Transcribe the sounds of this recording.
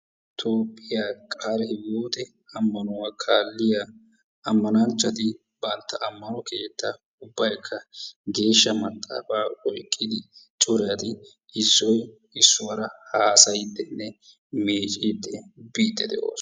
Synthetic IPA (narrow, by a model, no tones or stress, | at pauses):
t̪ʰoːpʼːɪjakʼaːlɛhɪwuːt̪ɛ | ɐmːɐnʊwakʰaːlːɪja | ɐmːɐnant͡ʃːɐt̪ɪ | bɐnt̪ːɐʔɐmːɐnɔke̞ːt̪ːɐ | ʊbːɐjkʰːɐɡe̞ːʃːɐmɐt̪ʼːa̰ːfaːɔjkʼːɪd̪ɪt͡ʃʼʊɾɪjɐt̪ɪ | ɪsːɔj | ɪsːʊwɐɾɐhaːsɐjɪd̪ːɛnːɛ | meːt͡ʃʼɪd̪ːɛbiːd̪ʼːɛd̪ɛ̰ʔo̰ːs